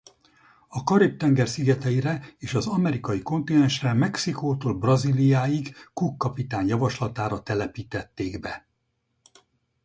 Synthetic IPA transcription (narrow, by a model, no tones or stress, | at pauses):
ɒkɒɾip̚t̪ɛŋɡɛrsiɡɛt̪ɛjiɾɛeːʃɒzɒmɛɾikɒjiko̞nt̪inɛnʃrɛmɛksikoːt̪oːlbrɒzilijaːjiɡːukːɒpit̪aːɲjɒvɒʃlɒt̪aːɾɒt̪ɛlɛpiːt̪ɛt̪ːeːɡbɛ